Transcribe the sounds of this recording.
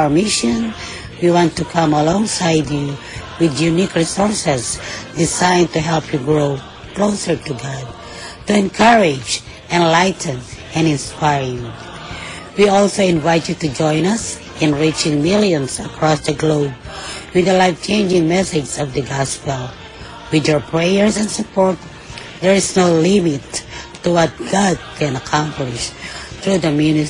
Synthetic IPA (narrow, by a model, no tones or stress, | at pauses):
mɪʃə̃n | wiwɑ̃ntukʰʌ̃məlɔ̃ŋsaɪdju | wɪðjunikɹisɔɹsɨzdɪzãɪ̃ntuɦɛlˠpʰjuɡɹoʊ | kloʊsə˞tuɡɑd̚ | tuɛ̃nkʰʌɹɪd͡ʒ | ɛ̃nlaɪtn̩ɛ̃nɪ̃nspaɪɹɪ̃ | wiɔlˠsoʊɪ̃nvaɪtjutud͡ʒɔ̃ɪ̃nʌs | ɪ̃nɹit͡ʃɪ̃ŋmɪlˠjɔ̃nsakʰɹɔsd̪əɡloʊb̚wɨd̪əlaɪft͡ʃẽɪ̃nd͡ʒɪ̃ŋmɛsɪd͡ʒsɔvd̪əɡɑspɛlˠ | wɪdɔɹpʰɹejəɹsɛ̃nsʊpɔɹt̪̚ | d̪ɛɹɪsnoʊlɪmɪt̪ː | uwʌt̪̚ɡ̥ad̪̚kʰɛ̃nɐkʰãmplɪʃt̪ɹud̪əmjunɪ